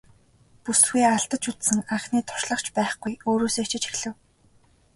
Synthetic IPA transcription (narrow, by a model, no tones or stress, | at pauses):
pusxiːaɬt̪ə̆t͡ɕut̪sɘ̆ŋaχniːt̪ʰʊ̥ʃɮə̆χt͡ɕʰpæːχɡujoːɾoːseːkt͡ɕʰɪ̆t͡ɕʰi̥xɮɘ̆w